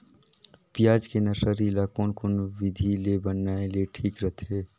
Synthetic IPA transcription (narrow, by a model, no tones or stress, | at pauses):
pijaːd͡ʒkenəsəɾilakonkʊnwɪd̪ʱilebənːaːeleʈʰiːkɾət̪ʰeː